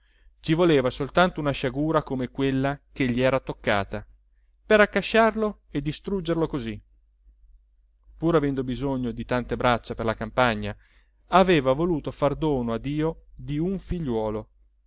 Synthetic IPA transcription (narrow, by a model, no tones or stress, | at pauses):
t͡ʃivoleːvasolt̪ant̪ounaʃaɡuːɾakomekwelːak̟eʎːiɛːɾat̪okːa̰ːt̪a | peɾakːaʃːarlo | ed̪ːist̪ɾud͡ʒːerlokozi | puɾavɛnd̪obizoɲːod̪it̪ant̪ebɾat͡ʃːaperlakampaɲːa | aveːvavoluːt̪ofard̪oːnoad̪ːiːod̪iuɱfiʎːwɔːlo